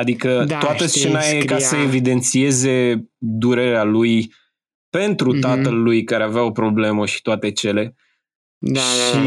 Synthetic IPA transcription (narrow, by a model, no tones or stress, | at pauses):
ad̪ikət̪oat̪əst͡ʃe̞najekasəevid̪e̞nt̪sie̞ze̞d̪uɾe̞ɾealuj | pe̞nt̪ɾut̪at̪əlːujkaɾeaveao̞pɾo̞ble̞məʃi̥t̪oat̪e̞t͡ʃe̞le̞ | ʃi